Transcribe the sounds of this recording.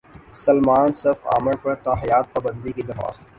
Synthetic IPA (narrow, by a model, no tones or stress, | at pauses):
sɐlmaːnsɪɾfa̰ːməɾpɐɾt̪aːɦijaːt̪̚paːbə̃nd̪ikid̪ɐxa̰ːst̪